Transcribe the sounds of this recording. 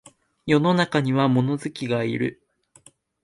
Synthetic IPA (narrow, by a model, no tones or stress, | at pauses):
jo̞no̞nakaɲ̟iβamo̞no̞zɨkʲiɡaḭɾɯ̟̰